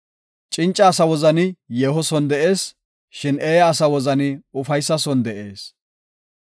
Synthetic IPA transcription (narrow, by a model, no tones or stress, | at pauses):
t͡ʃʼɪnt͡ʃʼːɐːsɐwɔzɐnɪjeːɦɔsɔnd̪ɛʔe̞ːs | ʃɪneːjɐːsɐwɔzɐnɪʊfɐjsːɐsɔnd̪ɛʔe̞ːs